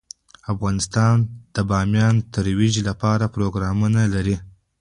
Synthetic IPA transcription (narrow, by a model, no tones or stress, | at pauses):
afɣɑnɪst̪ɑnd̪̥əbɑmjɑnt̪əɾwiʒlapɑɾapɾoɡɾɑmunalaɾi